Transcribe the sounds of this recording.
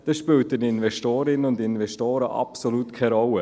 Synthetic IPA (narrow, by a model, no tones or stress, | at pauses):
d̥eʃpyːltənɪnvɛstoːɾɪnənʊndɪnvɛstoːɾəʔɑ̰psoluːtkʰaɾɔlːə